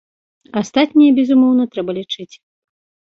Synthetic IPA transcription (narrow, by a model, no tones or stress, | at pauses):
ast̪at̪ʲnʲijɐbʲɛzumɔwnɐt̪ɾɛbɐlʲit͡ʂɨt͡sʲ